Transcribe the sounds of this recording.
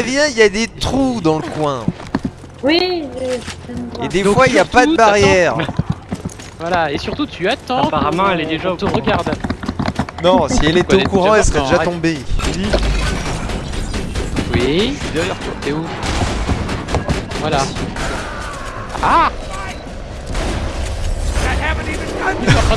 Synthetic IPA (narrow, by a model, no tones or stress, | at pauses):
vjɛ̃iljad̪et̪χud̪ɑ̃ləkwɛ̃ | wi | əmed̪efwailjapad̪əbaʁjɛːʁ | vwalaesyʁt̪ut̪ʰyat̪ɑ̃paʁamɑ̃ɛlɛd̪eʒat̪uʁəɡaʁd̪ | nɔ̃ssiɛletɛokuʁɑ̃ɛlsə̥ʁɛd̪eʒadt̪ɔ̃be | wid̪ɛʁjɛʁt̪wat̪eu | vwala | a